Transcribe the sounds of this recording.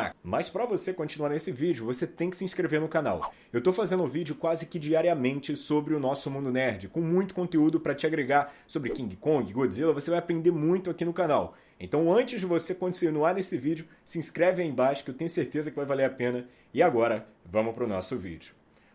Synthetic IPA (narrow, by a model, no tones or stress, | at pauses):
a̰mɐspɾɐvosekõt͡ʃinuaɾnesɪvid͡ʒʊvoset̪ẽj̃kɪ̥sɪĩskɾeveɾnʊkana̰w | ewt̪owfazẽnd̪ʊvid͡ʒiʊkwazɪkɪd͡ʒiaɾiɐmẽnt͡ʃɪsobɾɪʊnɔsʊmũnd̪ʊnɛɾd͡ʒɪkõw̃mũj̃t̪ʊ̥kõt̪eud̪ʊpɾɐt͡ʃɪaɡɾeɡasobɾɪkĩɡɪkõɡɪɡod͡ʒɪzilɐvosevajapɾẽnd̪eɾmũj̃t̪ʊakinʊkanaw | ḛ̃t̪ɐ̃w̃ɐ̃nt͡ʃɪzd͡ʒɪvosekõt͡ʃinuaɾnesɪvid͡ʒʊ | sɪĩskɾɛvɪẽj̃bajʃʊ̥kewt̪ẽɲʊseɾt̪ezɐkɪvajvaleɾapẽnɐ | ɪaɡɔɾɐ | vɐ̃mʊpɾʊnɔ̰sʊvḭd͡ʒʊ